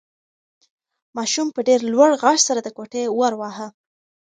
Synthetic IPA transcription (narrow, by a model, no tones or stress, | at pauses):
mɑʃumpəɖeɾlwaɽɣɑʂsaɾad̪əkoʈewaɾwɑhə